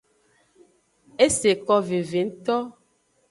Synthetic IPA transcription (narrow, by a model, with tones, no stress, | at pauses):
e˦se˨kɔ˦ve˨ve˨˦n̩˦t̪ɔ˦